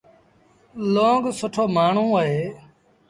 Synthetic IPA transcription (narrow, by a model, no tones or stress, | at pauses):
lõːɡsʊʈʰoːmaːɳ̤ũːəɦeː